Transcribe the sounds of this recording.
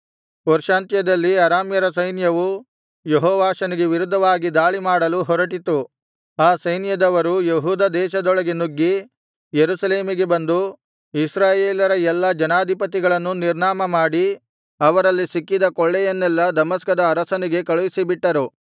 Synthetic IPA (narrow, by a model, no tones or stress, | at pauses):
ɔɾʃaːnt̪jɐd̪ɐlːiɐɾaːmjɐɾɐsɐjnjɐʋu | jeɦɔːʋaːʃɐniɡe̞ʋiɾud̪ʱːɐʋaːɡid̪aːɭimaːɽɐluɦɔɾɐʈit̪u | aːsɐjnjɐd̪ɐʋɐɾujeɦuːd̪ɐd̪ɛːʃɐd̪ɔɭɐɡenuɡːi | jeɾusɐle̞ːmiɡe̞bɐnd̪u | isɾaːjeːlɐɾɐɛlːɐd͡ʒɐnaːd̪ʱipɐt̪̬iɡɐɭɐnːuniɾɳaːmɐmaːɽi | ɐʋɐɾɐlːisikːid̪ɐkɔɭːɛjɐnːɛlːɐd̪ɐmɐskɐd̪ɐːɾɐsɐniɡe̞kɐɭuʋisibiʈːɐɾu